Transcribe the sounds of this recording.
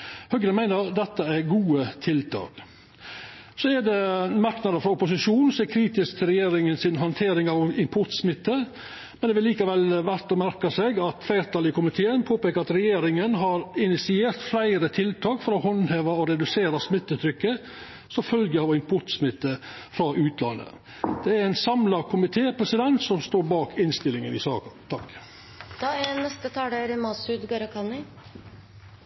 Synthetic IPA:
hœɡəɾənmæɪnəɾd̪ɛt̪ːəæɾɡuːət̪ʰɪlt̪ʰɑ̰ːk | sɔɛd̪ɛmɑɾknɑd̪əɾfɾɑʊpʊs̬ɪʂuːnn̩sːkʰɾiːt̪ɪsk̚t̪ʰɪlɾɛjeːɾɪŋənsɪnɦɑnt̪ʰeːɾɪŋɑʋɪmpʰʊʈ̪smɪt̪ːə | mɛnd̪ɛʋɪlːiːkɑʋɛlʋæɾʈ̪ɔmæɾkɑsɛɡɑt̪flæɪɾt̪ʰɑːlɪəkʊmɪt̪ʰeːənpʰoːpeːkəɾɑt̪ɾɛjeːɾɪŋənɦɑɾɪnɪsɪeːɾt̪flæɪɾət̪ʰɪlt̪ʰɑːkfɔɾɔhɔnheːʋɑɔɾɛd̪ʉseːɾɑsmɪt̪ːət̪ʰɾʏkːə | sɔfœlɡəɑʋɪmpʰʊʈ̪smɪt̪ːə | fɾɑʔʉːt̪lɑ̰nːə̰ | d̪̥ɛæɾɛnsɑmlɑkʰʊmɪt̪ʰeːpʰɾɛsɪd̪ɛnt̪sɔmst̪oːɾbɑːkʰɪnst̪ɪlɪŋənɪsɑːkət̪ʰɑk | d̪̥ɑːnɛst̪ət̪ʰɑːɖeːɾɪmɑːsʉd̪ɡɑɾɑkʰɑnɪ

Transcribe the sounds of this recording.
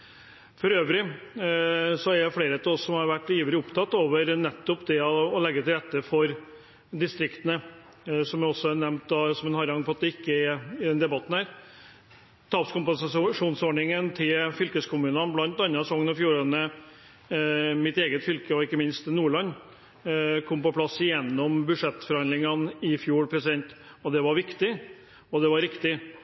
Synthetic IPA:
fɔɾøːʋəɾɪ | sɔæɖɛfleːɾət̪ʰɔssɔmhɑɾʋæʈːiːʋəlɪʊpt̪ʰɑt̪ːoːʋəɾnɛt̪ːɔpd̪ɛɔːlɛɡːət̪ɪlɾɛt̪ːəfɔɾ | d̪ɪst̪ɾɪkt̪ənə | sɔmɛɔsːɔɑɾnɛmnt̪̚d̪ɑsɔmɛnhɑɾɑŋpɔɑt̪̚d̪ɛɪkːəɛɾɪd̪ɛnd̪ɛbɑt̪ːn̩hæːɾ | t̪ʰɑːpskʊmpɛnsɑʂuːnsɔːɖɳɪŋənt̪ʰɪlfʏlkəskʰʊmʉːnɑnblɑnt̪ɑnːɑsɔŋːənɔfjuːɾɑnə | mɪt̪eːɡət̪fʏlkəɔɪkːəmɪnst̪nuːɭɑnː | kʰɔmːpɔpʰlɑsːjɛnːɔmbʉʂɛt̪ːfɔɾhɑnd̪lɪŋɑnɪfjuːɾpʰɾɛsɪd̪ɛnt̪ | ɔd̪ɛʋɑɾʋɪkt̪ɪ | ɔd̪ɛʋɑɾɪkt̪ɪ

